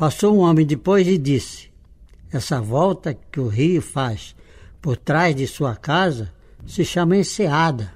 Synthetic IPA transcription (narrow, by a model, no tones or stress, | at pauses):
pasowũõmẽj̃d̪ɪpojzɪd̪isɪ̥ | ɛsɐvɔwt̪ɐkɪʊɦijʊfaspoɾt̪ɾazd̪ɪsuɐkazɐsɪʃɐ̃mɐẽsead̪ɐ